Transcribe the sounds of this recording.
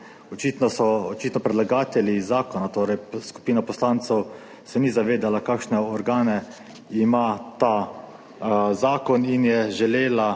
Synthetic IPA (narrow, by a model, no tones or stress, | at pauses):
ɔt͡ʃit̪nɔsɔːt͡ʃiːt̪nɔpɾɛd̪laɡaːt̪ɛlizaːkɔnat̪oːɾɛjsku̥piːnapɔslaːnt̪sɛw | sɛnizaʋeːd̪alakakʃnɛɔɾɡaːnɛ | imat̪a | zaːkɔninjɛʒɛleːla